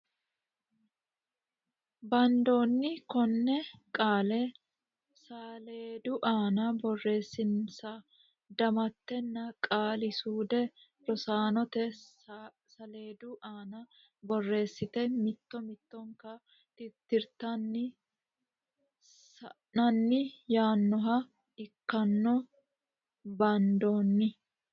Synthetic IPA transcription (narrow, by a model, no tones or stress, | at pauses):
bɐnd̪oːnːɪkɔnːɛkʼaːlɛ | saleːd̪ʊʔaːnɐbɔrːe̞ːsːɪnsɐ | d̪ɐmɐt̪ːɛnːɐkʼaːlɪsuːd̪ɛ | ɾɔsaːnɔt̪ɛ | sɐle̞ːd̪uʔaːnɐ | bɔrːe̞ːsːɪt̪ɛmɪt̪ːɔmɪt̪ːɔŋkɐ | t̪ɪt̪ːɪɾt̪ɐnːɪ | sɐ | nɐnːɪjaːnːɔɦɐ | ɪkːɐnːɔ | bɐnd̪oːnːɪ